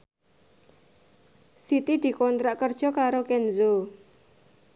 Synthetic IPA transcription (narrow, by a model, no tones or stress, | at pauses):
sit̪id̪̥i̤kɔnt̪ɾaʔkərd̥ʒ̥ɔ̤kaɾokɛnzo